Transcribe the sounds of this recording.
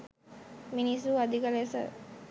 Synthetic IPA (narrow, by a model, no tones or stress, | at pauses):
minisuad̪ikəlesə̰